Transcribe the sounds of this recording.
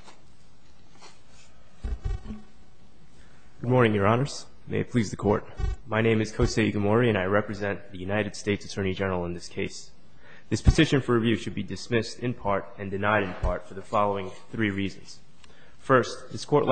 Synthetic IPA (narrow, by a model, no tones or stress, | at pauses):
ɡ̥ʊd̚mɔɹnɪ̃ŋjə˞ɑnə˞s | meɪɨpʰl̥izðɨkʰɔ̰ɹt̚maɪñẽɪ̃mɨz̥kʰoʊseɪɡɨmɔɹiɨ̃ñaɪɹɛpɹɨzɛ̃nðɨjʉnaɪɾɨd̥steɪtsɨ̥tʰɜ̃˞nid͡ʒɛnə˞l̩ˠə̃nðɪskʰeɪs | ðɪspʰɨ̥tʰɪʃɨ̃nfə˞ɹɨvjʉʃɨd̚bidɨsmɪstɨ̃npʰɑɹɾɨ̃ndɨnaɪɾɨ̃npʰɑɹtfə˞ðɨfɑlˠoʊɪ̃ŋ | θɹiɹizɨ̃nz̥ | fɜ˞sðɪskʰɔɹʔl